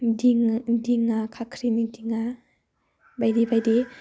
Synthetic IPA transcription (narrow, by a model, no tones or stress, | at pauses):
diŋdiŋakʰakʰɾinidiŋa | bajdibajdi